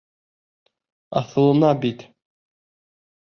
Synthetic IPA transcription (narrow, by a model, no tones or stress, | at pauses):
ɑθɤ̆lˠɤ̆nɑbit̪